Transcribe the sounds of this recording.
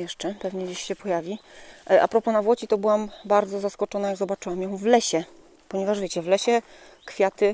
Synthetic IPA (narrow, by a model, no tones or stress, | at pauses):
jɛʂt͡ʂɛpɛvɲɛd͡ʑiɕɕɛpɔjavʲiʔa̰pɾɔpɔnavwɔt͡ɕit̪ɔbɘwambaɾd̪zɔzaskɔt͡ʂɔnajaɡzɔbat͡ʂɘwamjɔ̃w̃vlɛɕɛ | pɔɲɛvaʐvʲet͡ɕɛvlɛɕɛ | kfʲjat̪ɘ